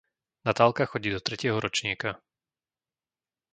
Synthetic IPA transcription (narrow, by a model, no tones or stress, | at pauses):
nat̪aːlˠkaxɔɟiːd̪ɔt̪ɾɛcɪɛɦɔɾɔt͡ʃɲiːka